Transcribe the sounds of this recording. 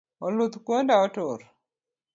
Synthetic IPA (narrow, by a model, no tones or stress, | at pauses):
ɔlut̪kwondaɔtoɾ